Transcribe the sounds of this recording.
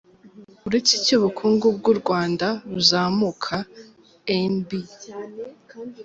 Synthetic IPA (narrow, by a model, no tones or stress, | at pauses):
uɾeciciβukʰuːŋɡub̚ɡuɾɡwaːndaɾuzaːmukʰa | enbi